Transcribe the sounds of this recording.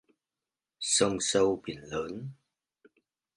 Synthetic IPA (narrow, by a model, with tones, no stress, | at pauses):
sə˧ŋ͡msə˧wɓi˨˩ənləː˨˦n